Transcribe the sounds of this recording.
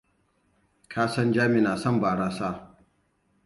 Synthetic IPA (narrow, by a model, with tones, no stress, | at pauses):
kʰaː˦sɐ˦nd͡ʒaː˦mɪ˨naː˨sɐ˦˨mbaː˨ɽaː˦saː˦